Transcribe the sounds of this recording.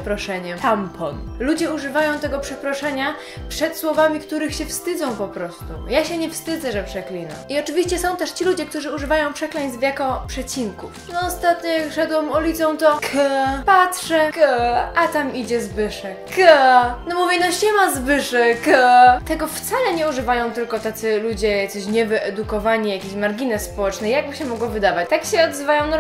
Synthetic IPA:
pɾɔʂɛɲɛtampʰɔnlud͡ʑɛuʐɘvajɔ̃w̃t̪ɛɡɔpʂɛpɾɔʂɛɲa | pʂɛt̪swɔvamʲikt̪uɾɘxɕɛfst̪ɘd̪zɔ̃w̃pɔpɾɔst̪ujaɕɛɲɛfst̪ɘd̪zɛʐɛpʂɛklʲina̰iɔt͡ʂɘvʲiɕt͡ɕɛsɔ̃w̃t̪ɛʂt͡ɕilud͡ʑɛk̚t̪uʐɘuʐɘvajɔ̃w̃pʂɛklɛɲzvʲjakɔpʂɛt͡ɕiŋkufnɔɔst̪at̪ɲɔjakʂɛd̪wɛmɔlʲit̪sɔ̃w̃t̪ɔkʰəpatʂɛkʔat̪amid͡ʑɛzbɘʂɛkənɔmuvʲjɛnɔɕɛmazbɘʂɛkt̪ɛɡɔft̪salɛɲɛuʐɘvajɔ̃w̃t̪ɘlkɔt̪at̪sɘlud͡ʑɛjak̪sɔɕɲɛvɘʔɛd̪ukɔvaɲijakʲeɕmaɾɡʲinɛsspɔwɛt͡ʂnɛjaɡ̚bɘɕɛmɔɡwɔvɘd̪avat͡ɕt̪akɕɛɔd̪zɘvajɔ̃w̃nɔ

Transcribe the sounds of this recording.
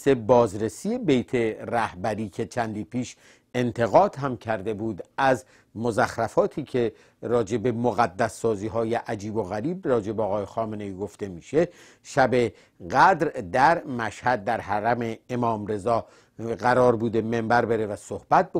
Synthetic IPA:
sebɒːzɾe̞siːe̞bejt̪ʰe̞ræhbæɾiːcʰe̞t͡ʃʰænd̪iːpʰiːʃ | e̞nt̪ʰe̞ɣɒːd̪̥hæmcʰæɾd̪e̞buːd̪æz | mozæxɾæfɒːt̪ʰiːcʰe̞ | ɾɒːd͡ʒe̞be̞moɣæd̪ːæsːɒːziːɦɒːje̞ʔæd͡ʒiːbo̞ɣæɾiːb̚rɒːd͡ʒe̞beɒːɣɒːjexɒːmene̞iːɡo̞ft̪e̞miːʃe̞ | ʃæbe̞ | ɣæd̪ɾd̪æɾmæʃhæd̪̚ːæɾɦæɾæme̞ːmɒːmɾe̞zɒː | ɣæɾɒːɾbuːd̪e̞me̞mbæɾbe̞ɾe̞væsohbæt̪̚b

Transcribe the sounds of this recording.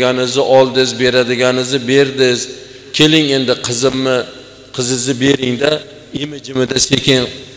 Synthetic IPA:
anɪzɪʔɒlˠd̪ɪzbe̞ɾad̪ɪɡʲanɪzɪbe̞ɾd̪ɪz | kʲʰe̞lɪŋe̞nd̪ɪqʰɨzɪmːɪ | qʰɨzɪzɪbe̞ɾɪŋd̪a | imɪd͡ʒɪmɪd̪asekʲɪŋ

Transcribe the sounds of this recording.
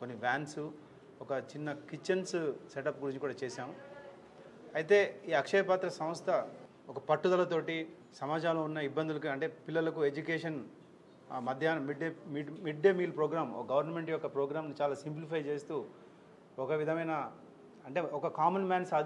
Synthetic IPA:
konːiʋaːnsu | ɔkɐt͡ʃinːɐkit͡ʃːɐnsseʈɐpːɡuɾiɲt͡ʃikuːɽaːt͡ʃeːsaːmu | ɐjit̪e̞ːiːɐkʂɐjɐpaːt̪ɾɐsɐm̃st̪ʰɐ | ɔkɐpɐʈːud̪ɐlɐt̪o̞ːʈi | sɐmaːd͡ʒaːloːunːɐibːɐnd̪ulɐkiɐɳʈe̞ːpilːɐlɐkued͡ʒukeːʂɐn | mɐd̪ʱjaːnɐmiɖemiɖmiɖːemiːlpɾoːɡɾaːmɔ̰kɐɡɐʋɐɾnɐme̞ɳʈjɔkːɐpɾoːɡɾaːmnit͡ʃaːlaːsimplipɐjt͡ʃe̞ːst̪uː | ɔkɐʋid̪ʱɐmɐjnɐ | ɐɳʈe̞ːɔkɐkaːmɐnmaːnsaːd̪

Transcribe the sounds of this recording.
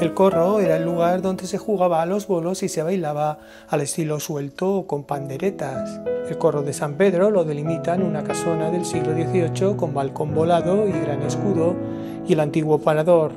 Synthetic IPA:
e̞lko̞ro̞e̞ɾaelːuɣ̞aɾðond̪e̞sexuɣ̞aβaːlo̞zβo̞lo̞sise̞β̞ajlaβ̞aː | le̞st̪ilo̞swe̞lt̪oːko̞mpand̪e̞ɾe̞t̪ase̞lko̞ro̞ðe̞sampe̞ðɾo̞lo̞ðe̞limit̪anunakaso̞naðe̞lsiɣloðje̞θio̞t͡ʃo̞ko̞mbalko̞mbo̞laðo̞iɣɾane̞skuðo̞ | ielant̪iɣwo̞paɾaðo̞ɾ

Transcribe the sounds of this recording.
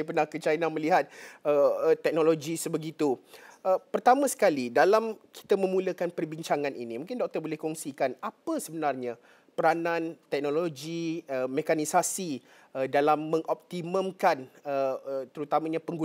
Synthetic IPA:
jpərnahkət͡ʃainanməliɦat̪̚ət̪ːɛk̚noloɡisəbəɡit̪uʔəpərt̪amãsə̥kalidalamki̥t̪amə̃mũləkanpərbiɲt͡ʃaŋãnʔḭnĩmũŋkɪndɔk̚t̪ərbolɛhkɔŋsikanapəsəbənarɲã | pəɾanãnt̪ɛk̚nolod͡ʒiəmekanisasi | ədalamːə̃ŋʔɔp̚t̪iməmkanət̪əɾut̪amãɲapəŋɡu

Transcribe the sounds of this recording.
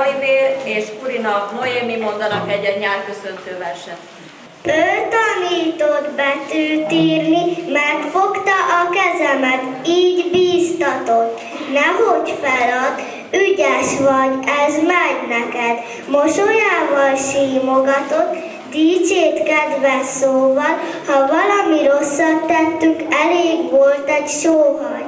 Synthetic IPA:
iveːleːʃuɾinɒmojeːmimond̪ɒnɒkɛɟːɛɲaːrkøsønt̪øːvɛrʃɛt̪ | pølt̪ɒniːt̪od̪bɛt̪øːt̪iːrnimɛrt̪fokt̪ɒʔɒkɛzɛmɛt̪ | iːɟbiːst̪ɒt̪ot̪ː | nɛɦoɟfɛlɒt̪ | yɟɛʃʋɒɟɛzmɛɟnɛkɛd̪ | moʃojaːvɒlʃiːmoɡɒt̪o̞t̪ | d̪iːt͡ʃeːt̪kɛd̪vɛsːoːvɒlhɒvɒlɒmiɾosːɒt̪t̪ɛt̪ːyŋkɛleːɡʋo̞lt̪ɛɟʃoːɦɒj

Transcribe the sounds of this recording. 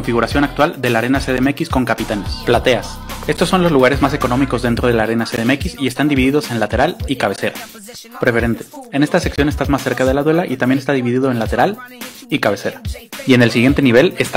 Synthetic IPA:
oɱfiɣuɾasjo̞nak̚t̪wald̪e̞laɾe̞naseðemekisko̞ŋkapit̪anesplat̪e̞ase̞st̪o̞sːo̞nlo̞zluɣ̞aɾe̞zmas̬e̞ko̞no̞miko̞zðent̪ɾoð̞e̞laɾe̞naseðeme̞kisie̞st̪and̪iβiðiðo̞se̞nlat̪e̞ɾalikaβe̞se̞ɾa | pɾe̞fe̞ɾe̞nt̪e̞̥ene̞st̪aseksjo̞nest̪azmasːe̞ɾkaðe̞laðwe̞laʔit̪ambjeest̪aðiβiðiðo̞enlat̪e̞ɾal | ikaβe̞se̞ɾaiene̞lsiɣje̞nt̪e̞niβ̞e̞lest̪

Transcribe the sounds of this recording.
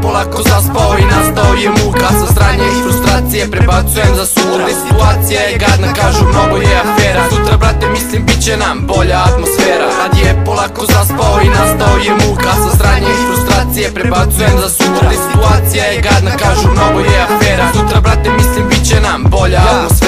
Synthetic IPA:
polˠakozaspaoinast̪aojemuɡasast̪ɾaːɲeifɾust̪ɾaːt̪sijepɾeat̪sujemzauɾaesit̪uaːt̪sijajeɡad̪nakaːʒumnoɡojɛafeːɾasut̪ɾabɾat̪emislimbit̪t͡ɕenambo̞ʎaːt̪mosfeːɾasad̪ijepolˠakozaspaoinast̪aojemuɡasast̪ɾaːɲeifɾust̪ɾaːt̪sijepɾebat̪sujemzasuɾaesi̥t̪uaːt̪sijajeɡad̪nakaːʒumnoɡojɛafeːɾasut̪ɾabɾat̪emislimbitt͡ɕenambo̞ʎat̪mos

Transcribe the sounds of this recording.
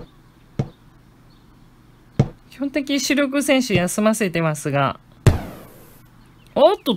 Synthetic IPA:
kʲi̥hõnt̪e̞k̬ʲiɕɨɾʲo̞k̬ɯ̟sẽ̞ɰ̃ɕɨjasɨmase̞t̪e̞masɨɡa̰ | ot̪ːo

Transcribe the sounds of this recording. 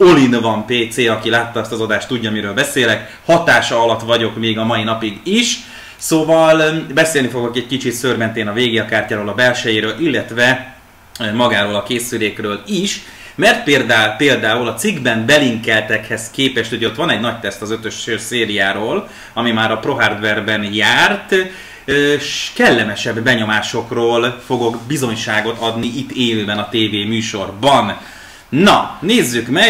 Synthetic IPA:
o̞linvɒmpeːt̪seːɒkilaːt̪ːɒɛst̪ɒzɒd̪aːʃt̪uɟːɒmiɾøːlbɛseːlɛk | hɒt̪aːʃɒɒlɒt̪ʋɒɟo̞kmeːɡɒmɒinɒpiɡiʃ | soːvɒlbɛseːlnifo̞ɡokɛɟ̚kit͡ʃit̪søːrmɛnt̪eːnɒveːɡiɒkaːrcaːɾoːlɒbɛlʃɛjeːɾøːlʔilːɛt̪vɛ | mɒɡaːɾoːlɒkeːsyleːkrøːliʃ | mɛrt̪̚peːld̪apeːld̪aːulɒt̪siɡbɛmbɛliŋkɛlt̪ɛkhɛzkeːpɛʃt̪hoɟɛot̪ʋɒnɛɟnɒct̪ɛst̪ɒzøt̪ø̞ʃøseːɾijaːɾoːl | ɒmimaːɾɒpro̞ɦard̪vɛrbɛnjaːrt̪ | øʃkɛlːɛmɛʃɛbːɛɲo̞maːʃo̞kroːlfo̞ɡo̞ɡbizo̞ɲʃaːɡo̞t̪ɒd̪niʔit̪ːeːløːbɛnɒt̪eːveːmyːʃo̞rbɒn | nɒneːzːykmɛ

